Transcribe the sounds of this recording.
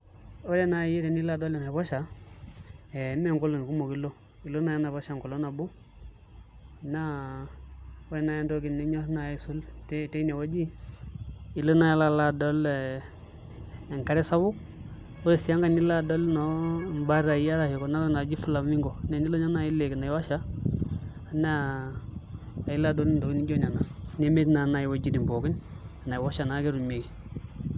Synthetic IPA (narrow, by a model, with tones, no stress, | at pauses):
o˦ɾe˦na˨ji˦ɾe˨ni˦la˦˨do˦le˨na˨βo˦ʃa˨ | e˨me˦˨ŋko˦lo˨ŋ˨ku˦mo˨ki˦lo˦ | i˨lo˦na˦ja˦na˨βa˦ʃa˨ŋko˨lo˦na˨bo˦ | na˦ | o˦ɾe˨na˨ja˦ndo˦ɡi˨nːe˨˦ɲo˦ɾna˨i˦su˦lte˦te˦ne˨wo˦d͡ʒi˦ | i˨lo˦na˨ja˦la˦la˦do˦l | ŋka˦ɾe˦sa˦bu˦k̚ | wo˦e˨si˨ja˦ŋɡa˦ni˦la˦do˦lno˦mba˦ɾa˨ji˦a˦ɾa˨hi˨ko˨na˦ɾo˦na˨d͡ʒi˦fu˦la˨˦mi˦ŋɡo˨ne˨ni˦lo˦ɲa˦na˦˨ji˦lːe˨kna˨ji˨wa˦ʃa˦ | a˨n˦˨ | ji˦la˦do˦li˦ndo˨wi˦ni˦ɟo˦ɲa˨na˨ne˦me˦dna˨na˨ji˨wo˨d͡ʒi˨ni˨mbo˨ɡi˦n˨na˨i˨wa˦ʃa˨na˨˦ɡe˦ɾu˨me˨ɡ